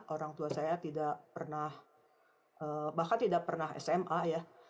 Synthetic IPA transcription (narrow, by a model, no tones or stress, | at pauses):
ʔoɾaŋt̪uasajat̪idaʔpərnah | ʔəːbahkant̪idaʔ̚pərnaɦɛ̰sɛmʔaja